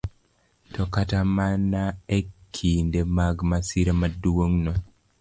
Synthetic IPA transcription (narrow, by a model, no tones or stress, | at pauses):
tɔkatamanaekʰindemaɡmasiɾamaduwoŋnɔ